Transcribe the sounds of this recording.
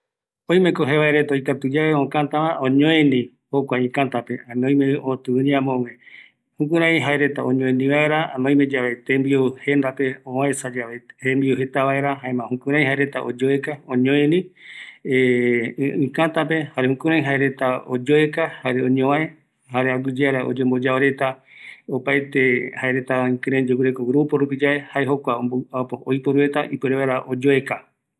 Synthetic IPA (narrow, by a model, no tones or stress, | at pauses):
õj̃mẽkoɦeβaeɾe̞t̪aojkat̪ud͡ʒaβeõkãt̪amãõɲõẽnĩ | hokʷaĩkãt̪apeanõj̃mẽot̪ɨũɲiãmõŋẽ | hũkũɾ̃ãĩɦaeɾe̞t̪aõɲõẽnĩβae̞ɾanõj̃mẽd͡ʒaʋet̪embiohe̞nd̪ape̞oaesad͡ʒaβeembiohet̪aβae̞ɾaɦaemãhũkũɾ̃ãĩɦaeɾe̞t̪aʔod͡ʒoekaõɲõẽnĩ | e | ĩkãt̪ape̞haɾehũkũɾãj̃ɦaeɾe̞t̪aod͡ʒoekahaɾeõɲõae | haɾeaɡud͡ʒeaɾaʔo̰d͡ʒembo̞d͡ʒaoɾe̞t̪a | opajt̪ehaeɾe̞t̪aĩkɨ̃ɾãj̃d͡ʒokɨɾekoɡɾupoɾupid͡ʒaehaeɦo̞kʷaojpoɾue̞t̪aʔipɨɾeβaeɾaʔod͡ʒoeka